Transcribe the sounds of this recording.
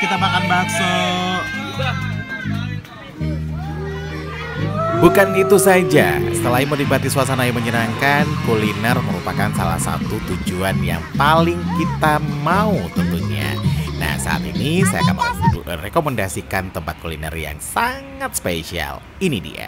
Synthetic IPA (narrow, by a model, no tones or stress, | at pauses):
kit̪amakanbaso | bukanɡit̪usad͡ʒa̰sə̥t̪əlaimənibat̪iswas̬anajiməɲənaŋkankulinərməɾupakansala̰hsa̰t̪ut̪ud͡ʒuanja̰ŋpalɪŋkit̪amaut̪ənt̪uɲa̰na̰hsa̰a̰t̪inisaja̰kanmrekoməndasikant̪əmpat̪̚kulinə̰rja̰ŋsaŋat̪̚spesia̰l | inidḭa̰